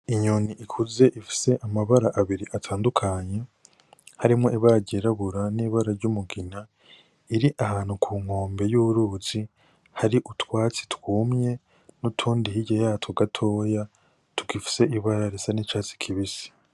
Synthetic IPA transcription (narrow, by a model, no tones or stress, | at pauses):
iɲoniʔikʰuze̞ʔifi̥se̞ʔamaβaɾaʔaβiɾiʔatʰaːndukʰaɲe̞ | haɾimŋo̞iβaɾaɟeɾaβuɾaniːβaɾaɾɟumuɡina | iɾiʔaɦaːn̥hukʰuːŋ̥o̞ːmbe̞juɾuːzi | haɾiʔutwaːt͡si̥twuːmɲe̞ | nutʰuːndihiɟajaːtʰoɡatʰo̞ːja | tukifi̥se̞ʔiβaɾaɾesanit͡ʃaːt͡si̥kʰiβisi̥